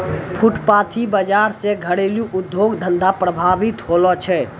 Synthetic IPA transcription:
pʰuʈpat̪ʰibəd͡ʒaɾsẽɡʱəɽeljuʔud̪joɡd̪ʱənd̪ʱapɾəbʱabit̪ɦolɔt͡ʃʰɛ

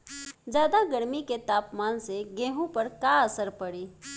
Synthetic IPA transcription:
d͡ʒjaːd̪aɡəɾmiket̪aːpmaːnseɡẽːɦõpɐɾkaɐsəɾpɐɽiː

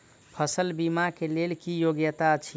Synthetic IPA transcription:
pʰəsəlbimakelelkijoɡjət̪at͡ʃʰi

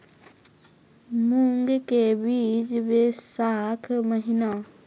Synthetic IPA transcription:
muŋɡkebiːd͡ʒbeːsaːkʰməɦɪna

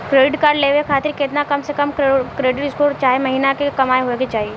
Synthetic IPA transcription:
kɾeːɖɪʈkaːɾɖleːʋekʰaːt̪ɪɾkɪt̪nakɐmsekɐmkkɾeːɖɪʈɪskot͡ʃaːɦemɐɦiːnakekɐmaːeɦoeket͡ʃaːɦieː

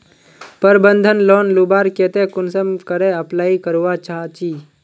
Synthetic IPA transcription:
pəɾbənd̪ʱənloːnlubaːɾket̪ekʊnsəmkəɾeəplaːikəɾuʋat͡ʃaːt͡ʃiː

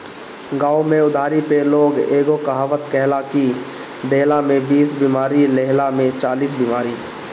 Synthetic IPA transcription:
ɡaːomẽʊd̪ʱaːɾipeloːɡeːɡokəɦaːʋət̪kɛɦlaki | d̪eɦlamẽbiːsbimaːɾileɦlamẽt͡ʃaːliːs̬bimaːɾiː

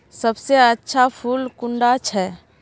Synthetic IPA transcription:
sɐbseətːʃʰapʰuːlkʊ̃ɳɖat͡ʃʰɛː

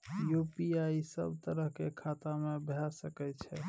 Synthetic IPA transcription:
jupiaisə̰bt̪əɾəɦkekʰat̪amebʱɛsəkɛt͡ʃʰɛ

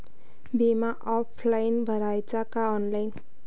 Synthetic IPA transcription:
bʱemaʔɔpʰlajnbʱʌɾajt͡sakaɔnlajn

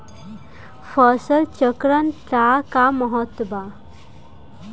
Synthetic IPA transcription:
fəsəlt͡ʃəkɾənʈakamɔɦɔt̪ːba

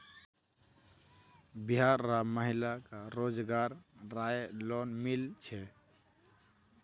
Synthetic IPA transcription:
biɦaɾːaməɦilakaɾod͡ʒɡaɾːajlonmilt͡ʃʰɛ

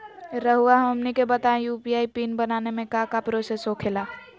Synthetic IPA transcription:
ɾəɦuaɦomnikebət̪aẽjupiaːipiːnbənaːnemẽkakapɾosesoːkʰelaː

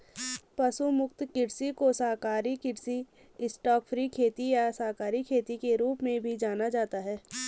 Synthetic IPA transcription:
pɐsumʊkt̪kɪɾsikosaːɦkaːɾikɪɾsi | ɪsʈɔːkfʰɾikʰeːt̪ijasaːkaːɾikʰeːt̪ikeɾuːpmẽbʱid͡ʒaːnad͡ʒaːt̪aɦɛː

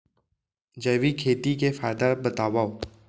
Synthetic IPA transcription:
d͡ʒəːʋikʰeːt̪ikefaːɪd̪abət̪aːʋaːo

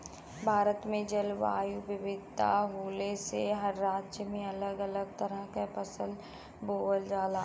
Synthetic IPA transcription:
bʱaːɾət̪mẽd͡ʒəlʋa̰ːjubɪʋɪd̪t̪a̰ɦoːleseɦɐɾːaːd͡ʒd͡ʒjəmẽɐləɡɐləɡ̚t̪əɾəɦkapəsəl | boːəld͡ʒaːla

